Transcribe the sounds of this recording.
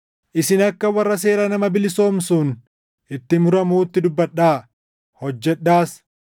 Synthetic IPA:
ʔɪsɪnɐkːɐwɐrːɐs̬e̞ːɾɐnɐmɐbɪlɪso̞ːmsun | ʔɪt̪ːɪmʊɾɐmuːt̪ːɪd̪ʊbːɐᶑːaː | hɔd͡ʒːɛᶑːaːs

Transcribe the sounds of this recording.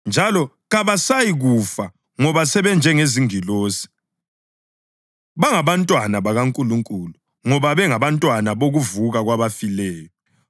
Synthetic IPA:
nd͡ʒʱalɔ | ɣaβasajiɣufa | ŋɔβasɛβɛnd͡ʒʱɛŋeziŋiloːsi̥ | βaŋaβantʼwanaβaɣaŋkʼuluŋkʼulu | ŋɔβaβɛŋaβantʼwanaβoɣuvuɣaɣwaβafilɛːjɔ

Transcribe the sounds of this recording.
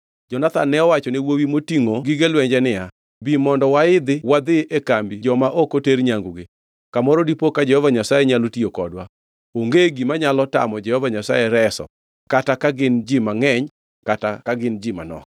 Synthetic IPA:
d͡ʒɔnat̪a̰nːɛɔwat͡ʃɔnewowimotiŋoɡiɡelwɛɲd͡ʒɛnɪja | bimɔndɔwaɪd̪ɪwad̪ɪʔekambid͡ʒɔmaʔokoteɾɲaŋɡuɡɪ | kamɔɾodipokad͡ʒɛhɔvaɲasajeɲalotiokɔdwa | oŋɡeɡimaɲalɔta̰mɔd͡ʒɛhɔvaɲasajɛɾɛsɔ̰ | katakaɡɪnd͡ʒɪmaŋɛɲ | katakaɡɪnd͡ʒɪma̰nɔ̰k̚

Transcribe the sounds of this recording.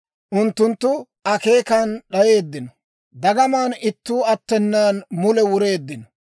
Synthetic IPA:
ʔʊnt̪ːʊnt̪ːʊ | ɐke̞ːkanɗɐje̞ːd̪ːɪnɔ | d̪ɐɡɐmaːnɪt̪ːuːɐt̪ːɛnːaːnmʊlɛwʊɾe̞ːd̪ːɪnɔ̥

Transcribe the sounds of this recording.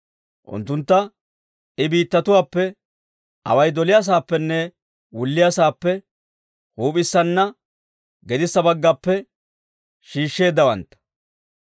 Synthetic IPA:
ʔʊ̰nt̪ːʊnt̪ːɐ | ɪbiːt̪ːɐt̪ʊwaːpːɛ | ʔɐ̰wɐjd̪ɔlɪjas̬aːpːɛnːɛ | wʊlːɪjasaːpːɛ | huːpʼɪsːɐnːɐ | ɡɛd̪ɪsːɐbɐɡːapːɛ | ʃiːʃːe̞ːd̪ːɐwɐ̰nt̪ːɐ̥

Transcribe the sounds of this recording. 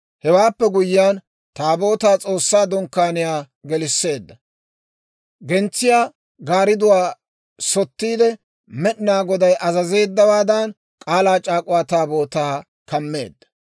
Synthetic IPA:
hɛwaːpːɛɡʊjːjaːn | t̪aːbo̞ːt̪aːt͡sʼo̞ːsːaːd̪ɔŋkːaːnɪjaː | ɡɛlɪsːe̞ːd̪ːɐ | ɡɛnt͡sːɪjaː | ɡaːɾɪd̪ʊwaː | sɔt̪ːiːd̪ɛ | mɛɗnaːɡɔd̪ɐjʔɐzɐze̞ːd̪ːɐwaːd̪ɐn | kʼaːlaːt͡ʃʼaːkʼʊwaːt̪aːbo̞ːt̪aː | kɐmːe̞̰ːd̪ːɐ̥

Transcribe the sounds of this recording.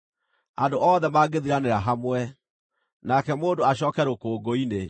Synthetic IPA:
andoʔɔðɛmaːɡeðiɾaneɾaɦamwɛ | nakɛmoːndoaɕ̬ɔːkɛɾokoːɡoine

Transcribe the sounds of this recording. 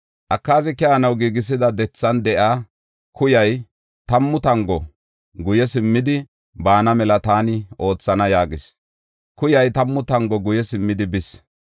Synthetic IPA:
ʔɐkːaːzɪkɛɐnɐwɡiːɡɪs̬ɪd̪ɐd̪ɛt͡sːɐnd̪ɛʔaː | kʊjɐj | t̪ɐmːʊt̪ɐŋɡɔ | ɡʊjɛsɪmːɪd̪ɪ | baːnɐmɛlɐt̪aːnɪʔo̞ːt͡sːɐnɐjaːɡɪs | kʊjɐjt̪ɐmːʊt̪ɐŋɡɔɡʊjɛsɪmːɪd̪ɪbɪs

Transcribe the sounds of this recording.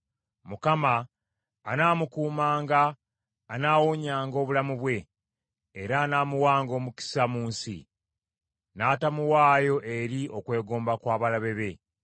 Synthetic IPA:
mukamaː | naːmukuːmaːŋɡaː | naːwoɲaːŋɡo̞ːβulamuβwe̞ː | ɾaːnaːmuwaːŋɡo̞ːmuki̥samuːnsḭ | naːtamuwaːjo̞ʔe̞ɾio̞kwe̞ːɡo̞ːmbakwaːβalaβe̞βe̞

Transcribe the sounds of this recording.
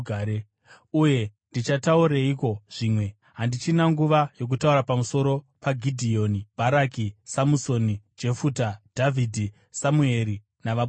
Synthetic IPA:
aɾe | uje̞ndit͡ʃatauɾeiko̞ʐ̥iːmwe̞ | ɦandit͡ʃinaŋɡuʋajo̞k̬utauɾapamuso̞ɾo̞ | paɡʱidʱio̞nib̥ʱaɾakisamuso̞nid͡ʒe̞fuːtad̥ʱavʱidʱi | samue̞ɾi | naʋa

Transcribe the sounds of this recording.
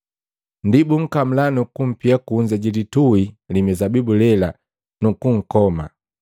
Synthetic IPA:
ndibuŋ̩kam̩lanukum̩piakuɲd͡ʒaɟilituilimɛzabibulɛla | nukuŋ̩kɔma̰

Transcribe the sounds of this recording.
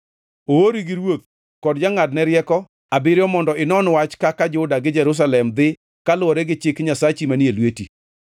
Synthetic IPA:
ooɾiɡɪɾwot̪̚ | kɔdd͡ʒaŋadnɛɾjɛkɔ | abɪɾjɔmɔndɔɪnɔnwat͡ʃkakad͡ʒʊdaɡɪd͡ʒɛɾʊs̬alɛmd̪ɪ | kalʊwɔɾɛɡɪt͡ʃɪkɲasat͡ʃimanielweti

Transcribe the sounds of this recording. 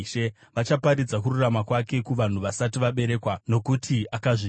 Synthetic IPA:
ʃe | ʋat͡ʃapaɾid͡zakururamakwake̞kuʋan̤uʋasatiʋaɓe̞ɾe̞ːkwano̞kutʰiakaʐi

